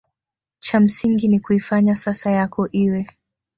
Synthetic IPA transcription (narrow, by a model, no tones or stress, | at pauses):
t͡ʃam̩siŋɡinikuifaɲasasajakʰɔʔiwɛ